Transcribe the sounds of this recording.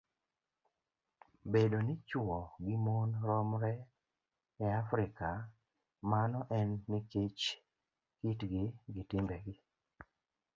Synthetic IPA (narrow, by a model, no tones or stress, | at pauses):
bedonɪt͡ʃwɔɡɪmonɾɔmɾɛ | ɛafɾɪka | manɔʔɛnːɪket͡ʃ | kitɡɪɡɪtɪmbɛɡɪ